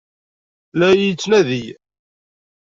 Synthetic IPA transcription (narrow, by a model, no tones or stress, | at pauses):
læjit͡sːnæðij